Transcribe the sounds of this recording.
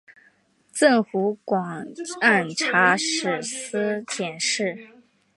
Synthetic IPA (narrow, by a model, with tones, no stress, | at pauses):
t͡sə˥˩nxu˧˥kwɑ˨˩ŋa˥˩nʈ͡ʂʰa˧˥ʂɻ̩˨˩s̩˥t͡ɕʰjɛ˨˩nʂɻ̩˥˩